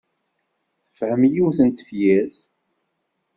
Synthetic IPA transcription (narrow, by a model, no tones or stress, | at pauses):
θə̥fhəmjuwθənt̪ə̥fjæs